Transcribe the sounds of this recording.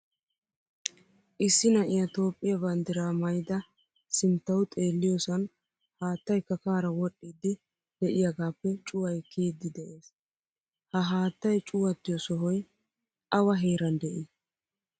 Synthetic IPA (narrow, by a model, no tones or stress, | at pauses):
ʔɪsːɪnɐʔɪjɐt̪o̞ːpʼːɪjɐbɐnd̪ɪɾaːmɐjd̪ɐ | sɪnt̪ːɐwʊt̪ʼe̞ːlːɪjosɐn | haːt̪ːɐjkɐkaːɾɐwɔɗːiːd̪ːɪ | d̪̥ɛʔɪjaɡaːpːɛt͡ʃʼʊwɐjkʰiːd̪ːɪd̪ɛʔe̞ːs | hɐɦaːt̪ːɐjt͡ʃʼʊwɐt̪ːɪjɔsɔɦɔj | ʔɐwɐɦe̞ːɾɐnd̪ɛʔɪ